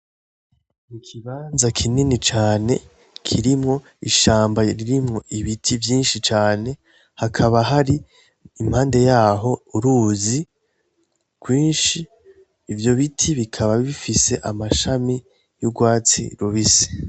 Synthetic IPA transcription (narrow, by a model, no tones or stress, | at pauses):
ikʰiβaːnzakʰininit͡ʃaːne̞ | kʰiɾimŋo̞ | iʃaːmbaɾiɾimŋo̞ʔiβitʰivjiːnʃit͡ʃaːne̞ | hakʰaβaɦaɾi | im̥haːnde̞jaːɦo̞uɾuːzi | kwiːnʃiː | vjo̞βitʰiβikʰaβaβifise̞ʔamaʃami | juɡwaːt͡sḭɾuβisi̥